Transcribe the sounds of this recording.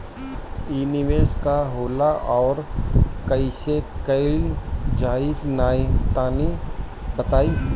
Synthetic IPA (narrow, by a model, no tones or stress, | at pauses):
iːniʋeːskaɦoːlaʔɔːɾkɐɪsekɐɪld͡ʒaːit̪naːt̪aːni | bət̪aːiː